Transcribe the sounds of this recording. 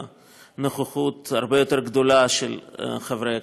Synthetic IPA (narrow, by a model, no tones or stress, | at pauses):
noχeχut̪aɾbejo̞t̪eɾɡd̪olaʃelχevɾeja